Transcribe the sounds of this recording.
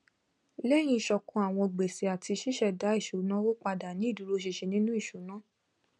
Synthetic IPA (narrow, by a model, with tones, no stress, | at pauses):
lɛ˦˨j̃ĩ˧˨ʃɔ˧kũ˧˦a˨w̃ɔ̃˧˨ɡ͡be˨se˨a˨ti˧ʃi˦ʃɛ˦˨da˨˦i˦˨ʃo˨˦nã˦wo˦k͡pa˧da˨nĩ˨˦i˦˨du˨˦ɾo˧ʃe˧˨ʃe˨˧nĩ˦nũ˦i˦˨ʃu˨˦nã˦